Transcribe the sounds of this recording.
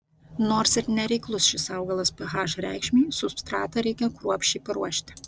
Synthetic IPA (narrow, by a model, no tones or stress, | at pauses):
noːɾsɪɾnʲɛɾʲɛɪklˠʊsʃʲɪsɑʊɡɐlˠɐspʲɐɦɑːʒɾʲæ̰ɪkʃʲmʲiːsʊst̪ɾɑːt̪ɐɾʲɛɪkʲɛkɾuɔpʲʃʲt͡ʃʲɛɪpɐɾuɔʃʲt̪ʲɪ̥